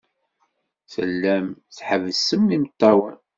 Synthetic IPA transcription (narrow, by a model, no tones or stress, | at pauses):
sə̰lːæmθħəvəsəmːimət̪ːɑwən